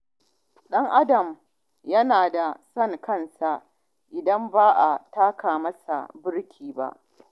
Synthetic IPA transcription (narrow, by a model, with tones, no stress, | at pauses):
ɗɐ˦ŋʔa˦dɐ˨m | jɐ˦naː˨da˨sɐ˦ŋkɐ˦nsa˨ʔ | ʔɪ˨dɐ˦mbaː˦ʔa˨taː˦kaː˨mɐ˦sa̰˨bɪ˦ɽkʲʰiː˨ba̰˦ʔ